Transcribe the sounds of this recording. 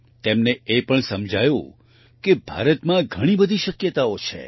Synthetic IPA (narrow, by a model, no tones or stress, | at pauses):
t̪emneepəɳsəmd͡ʒʱajũ | kebʱa̰ɾət̪mãɡʱəɽ̃ibəd̪ʱiʃəkjət̪aot͡ʃʰḛ